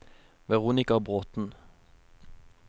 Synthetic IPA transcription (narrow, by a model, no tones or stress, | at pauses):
ʋɛʁuːnɪkɑbʁoːt̪n̩